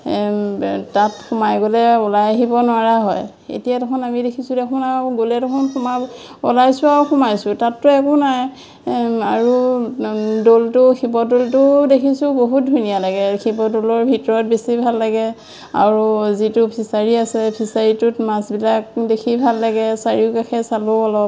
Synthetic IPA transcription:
tatxʊmajɡolɛɔlajaɦibɔnʊaɹaɦɔj | ḛtijatɔkʰɔnamidekʰisudɛkʰɔnaɡolɛtɔkʰɔnxɔma | ɔlajsʊauxɔmajsʊtatːuɛkɔnaj | aɹu | doltʊxibɔdoltʊdekʰisʊboɦut̚dʱujnijalaɡɛxibɔdolɔɹbʱitɔɹɔt̚besibʱalːaɡɛ | a̰ɹuzitupʰisaɹiasɛpʰisaɹitutmasbilak̚dekʰibʱalːaɡɛsaɹiʊkaxʰɛsalʊɔlɔp̚

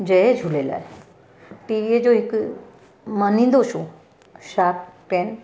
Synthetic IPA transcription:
d͡ʑeɦed͡ʑʱulela̰ːɦe | piʋied͡ʑoɦik | mənĩnd̪oɕo | ɕap̚pen

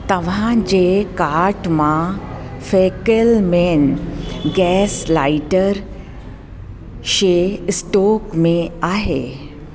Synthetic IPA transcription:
t̪əʋ̤ãd͡ʑekaɾʈmã | fekəlmenɡɛslaiʈəɾ | ɕesʈokmeaɦe

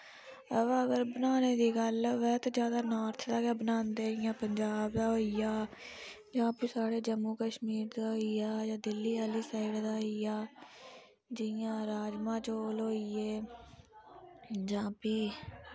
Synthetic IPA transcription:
əʋːəɡəɾbənaːneːd̪iːɡəlʋɛːt̪ːd͡ʒjaːd̪aːnaːɾt̪ʰd̪aːkaːbənaːnd̪eːɪjãːpəɲd͡ʒaːbd̪aːɦoːijaː | d͡ʒãːpiːsaːɽeːd͡ʒəmːuːkəʃmiːɾd̪aːɦoijaːd͡ʒãːd̪ɪlːiːaːliːsaːɪɖd̪aːɦoijaː | d͡ʒɪjãːɾaːd͡ʒmãːt͡ʃoːlɦoːiːeː | d͡ʒãːpiː

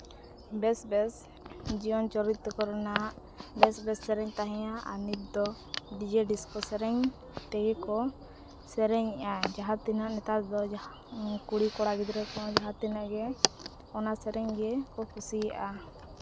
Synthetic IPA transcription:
bɛsbɛs | d͡ʒijɔnt͡ʃɔɾit̪ːɔkɔɾɛnaʔ | bɛsbɛsːɛɾɛɲt̪aɦɛ̃jaʔanit̪̚d̪ɔ | ɖid͡ʒɛɖiskɔsɛɾɛɲ | t̪ɛɡɛkɔ | sɛɾɛɲɛʔad͡ʒaɦat̪inaʔnɛt̪at̪d̪ɔd͡ʒ | kuɽikɔɽaɡid̪ɾɛkɔd͡ʒaɦat̪ːinaʔɡɛ | ɔnasɛɾɛɲɡɛkɔkusija̰ʔa

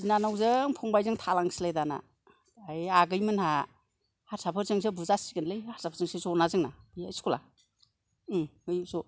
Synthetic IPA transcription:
zinanawzɯŋpʰuŋbajzɯŋtʰalaŋsilajdana̰ | ajaɡɯjmɯnha | haɾsʰapʰɯɾzɯŋsɯbuzasiɡɯnlɯjhaɾsapʰɾzɯŋsɯzɔnazɯŋnabiajskula | ɯjzɔ

